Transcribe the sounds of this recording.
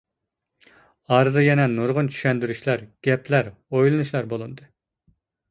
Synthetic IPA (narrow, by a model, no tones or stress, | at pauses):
ɑɾɨd̪ɨjɛnɛnuɾʁʊnt͡ʃʰy̥ʃɛnd̪yɾyʃlæɾɡ̥ʲɛpʰlæɾojlˠɨnuʃlˠæɾbolˠɨnd̪ɨ